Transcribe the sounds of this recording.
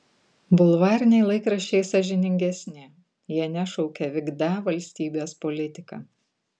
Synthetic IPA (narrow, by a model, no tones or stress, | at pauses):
bʊlˠʋɑːɾʲɪnʲɛɪlˠɐɪkɾɐʃʲt͡ʃʲɛɪsɐʒʲɛnʲɪŋʲɡʲɛsʲnʲɪ | jiɛnʲɛʃɒʊkʲɛʋʲɪɡd̪ɑːʋɐlʲsʲt̪ʲiːbʲeːspɔlʲɪt̪ʲɪkɑ̰ː